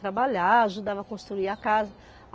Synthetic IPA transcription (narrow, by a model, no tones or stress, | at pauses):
t̪ɾabaʎaaʒud̪avɐkõst̪ɾuiakazɐ